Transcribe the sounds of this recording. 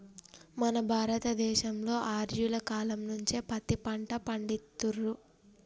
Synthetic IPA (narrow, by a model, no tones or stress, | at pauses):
mɐnɐbʱaːɾɐt̪ɐd̪ɛːʃɐmlo̞ːʔaːɾjulɐkaːlɐmnuɲt͡ʃeːpɐt̪ipɐɳʈɐpɐɳɖit̪ːurːu